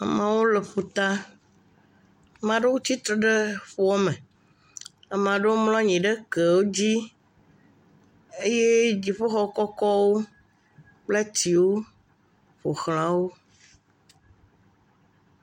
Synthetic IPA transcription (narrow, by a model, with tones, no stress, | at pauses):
a̰˨mã˨wo˦le˨ɸu˨t̪a˦ | mã˨ɖe˦wu˦t͡ɕ̪i˦t̪ɾe˨ɖe˦ɸo˦ɔ˦mɛ̃˨ | a˨mã˨ɖe˦wo˦mlɔ̃˦ɲĩ˨ɖe˦ke˨wo˦d͡ʑi˦ | e˦je˦d͡ʑi˨ɸe˦xɔ˦kɔ˦kɔ˦wo˦ | k͡ple˦ti˨wo˦ | ɸo˨xl̃ã˨wo˦